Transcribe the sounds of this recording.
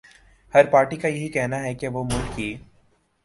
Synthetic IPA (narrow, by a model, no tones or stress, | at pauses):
hɐɾpaːɾʈikajɐɦikɛɦnaɦɛkeʋomʊʈkiː